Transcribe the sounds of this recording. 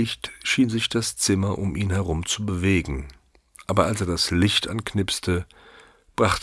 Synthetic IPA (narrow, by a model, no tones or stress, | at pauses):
ɪçtʃiːnzɪçd̥ast͡sɪmɐʔʊmʔiːnhɛʁʊmt͡subəveːɡŋ̩ | ʔaːbɐalseːɐdaslɪçtʔa̰nknɪpstə | b̥ʁaχt